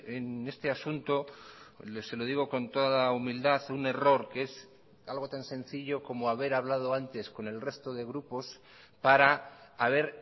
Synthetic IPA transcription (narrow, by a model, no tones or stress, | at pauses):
ene̞st̪easunt̪o̞lese̞lo̞ð̞iɣ̞o̞ko̞nt̪o̞ðaumild̪aθune̞ro̞ɾkee̞s | alɣ̞o̞t̪ansẽ̞n̟θiʎo̞ko̞moaβ̞e̞ɾaβlað̞o̞ant̪e̞sko̞ne̞lre̞st̪o̞ð̞e̞ɣ̞ɾupo̞s | paɾaːβ̞e̞ɾ